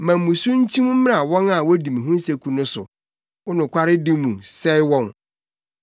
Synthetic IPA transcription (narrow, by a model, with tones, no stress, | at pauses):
mã˨m̩˨mũ˨sũ˦n̩˦t͡ɕʰĩ˦m̃˦m̩˦m˦a˨wɔ̃˦na˨wɔ˦dĩ˨mĩ˨ɦũ˦se˨kʰu˨nʊ̃˦sʊ̰˨ | wʊ˦nʊ̃˨kʷʰa˦ɾɪ˦dĩ˦mũ˨sɛ˦ɪ˦wɔ̃˦n